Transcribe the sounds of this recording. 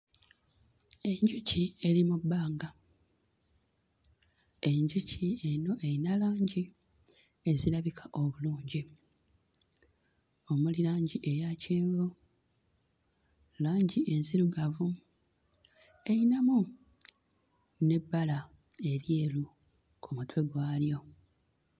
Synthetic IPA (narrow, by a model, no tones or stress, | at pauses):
e̞ɲɟucie̞limubːaːŋɡa | e̞ɲɟucʰie̞no̞ʔeinalaːɲɟi | e̞zilaβikʰaʔo̞βuluːɲɟi | o̞mulilaːɲɟiʔe̞jaciːɱvu | laːɲɟiʔe̞nziɾuɡavu | e̞inamu | ne̞bːala | e̞ɾje̞ːlu | kʰumutwe̞ɡwaːljo̞